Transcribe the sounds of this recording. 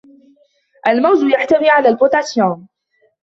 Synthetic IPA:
ʔalmawzʊjaħt̪amiːʕalaːlbʊt̪ˤasjoːn

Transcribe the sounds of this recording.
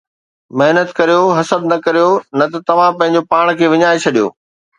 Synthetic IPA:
mɐɦnət̪kɐɾijoɦɐsəb̚nɐkɐɾijonɐt̪ɐt̪ɐʋ̤ãpɐ̃ɦɪ̃ɲ̆d͡ʑopaːɽ̃kʰeːʋɪɲaːet͡ɕʰɐɗijo̰ː

